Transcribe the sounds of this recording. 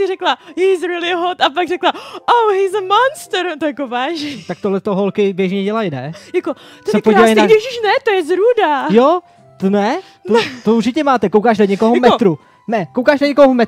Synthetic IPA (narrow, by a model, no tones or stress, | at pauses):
sɪrɛklajizɾɪlɪɦot̪apaɡrɛklaʔowɦiːzəmonst̪ɾt̪ojakovaːʒɛt̪ak̚t̪oɦlɛt̪oɦolkɪbjɛʒɲɛɟɛlajnɛjakot̪sɛpoɟivajnaɛʃiʃnɛt̪ojɛzɾudajo | t̪onɛ | t̪ot̪ouɾt͡ʃɪcɛmaːt̪ɛkowkaːʃnaɲɛkoɦomɛt̪ɾu | nɛkowkaːʃnaɲɛkoɦomɛt̪